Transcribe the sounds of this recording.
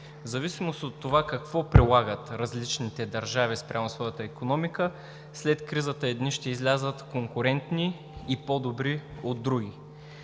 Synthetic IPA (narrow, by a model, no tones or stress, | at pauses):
zɐvisimost̪ot̪ːovakɐkv̥ɔpɾilˠaɡət̪ɾɐzlit͡ʃnit̪ɛd̪ɐɾʒavispɾʔamosvɔjət̪əikonɔmikə | slɛt̪kɾizət̪əɛd̪niʃt̪ɛizlʲazət̪koŋkʊɾɛnt̪niː | pod̪obɾiod̪ːɾuɡʲi